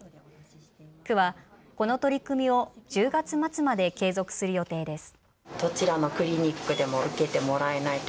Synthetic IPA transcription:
kɯ̟βako̞no̞t̪o̞ɾʲikɯ̟mʲio̞d͡ʑɨːɡat͡sɨmat͡sɨmad̪e̞ke̞ːzo̞kɯ̟̥sɨɾɯ̟jo̞t̪e̞ːd̪e̞sɨ̥ | t̪o̞t͡ɕiɾano̞kɯ̟ɾʲiɲ̟ʲikːɯ̟d̪e̞mo̞ɯ̟ke̞t̪e̞mo̞ɾae̞nai

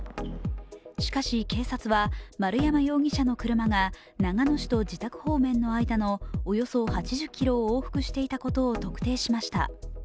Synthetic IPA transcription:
ɕi̥kaɕike̞ːsat͡sɨβamaɾɯ̟jamajo̞ːɡʲiɕano̞kɯ̟ɾɯ̟maŋa | naŋano̞ɕi̥t̪o̞d͡ʑit̪akɯ̟̥ho̞ːmẽ̞nːo̞aid̪ano̞ːjo̞so̞hat͡ɕiʑɨkʲːiɾo̞ːoːɸɯ̟̥kɯ̟ɕi̥t̪e̞it̪ako̞t̪o̞ːt̪o̞kɯ̟̥t̪e̞ːɕimaɕi̥t̪a̰

